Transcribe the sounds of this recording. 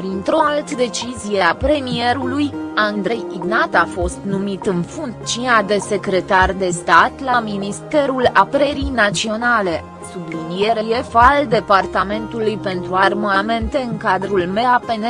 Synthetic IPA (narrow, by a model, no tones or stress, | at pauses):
pɾint̪ɾo̞alt̪d̪e̞t͡ʃizijeapɾe̞mie̞ɾulujand̪ɾe̞jiɡnat̪afo̞st̪numit̪ɨnfuŋkt͡ʃiad̪e̞se̞kɾe̞t̪ard̪e̞st̪at̪laminist̪e̞ɾulapɾeɾijnat̪sio̞nale̞ | sublinije̞ɾeje̞fald̪e̞part̪ame̞nt̪ulujpe̞nt̪ɾuarmame̞nt̪e̞ɨŋkad̪ɾulme̞ape̞ne